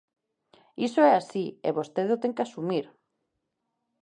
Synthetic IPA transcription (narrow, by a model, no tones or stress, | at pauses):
isoɛasiḛβost̪eðot̪eŋkeasumiɾ